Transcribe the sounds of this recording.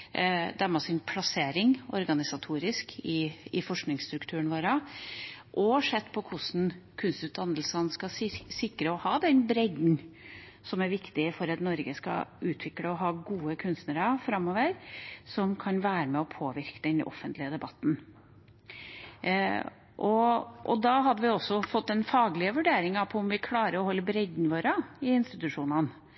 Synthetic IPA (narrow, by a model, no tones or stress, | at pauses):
d̪æmɑsɪnpʰlɑseːɾɪŋɔ̰ɾɡɑnɪsɑt̪ʰuːɾɪskʰɪɪfɔʂknɪŋst̪ɾʉkt̪ʰʉːəɳʋoːɾə | ʔɔʂɛt̪ːpʰɔkʰʊʂn̩kʰʉnst̪ʉːt̪̚d̪ɑnəlsɑnskɑsɪkːɾəɔhɑːd̪ɛnbɾɛɡ̪n̩ | sɔmæɾʋɪkt̪ɪfɔɾɑt̪nɔɾɡəskɑ̰ʉːt̪ʰʋɪkɽəɔɦɑːɡuːəkʰʉnst̪nəɾɑfɾɑmːoːʋəɾsɔmkʰɑnʋæːɾəmɛɔpʰoːʋɪɾkəd̪ɛnʔɔ̰fːənt̪lɪəd̪ɛbɑt̪ːn̩ | ʔɔʔɔ̰d̪ɑɦɑd̪ːəʋɪɔsːɔfɔt̪ːɛnfɑːɡlɪəʋʉɖeːɾɪŋɑpʰɔɔmʋɪkʰlɑːɾəɾɔhɔlːəbɾɛd̪nəʋoːɾəɪɪnst̪ɪt̪ʉʂuːnɑn